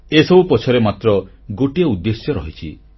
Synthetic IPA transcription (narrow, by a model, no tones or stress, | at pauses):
esɔbupɔt͡ʃʰɔɾemat̪ɾɔ | ɡoʈijɔud̪ːesjɔɾɔɦit͡ʃʰi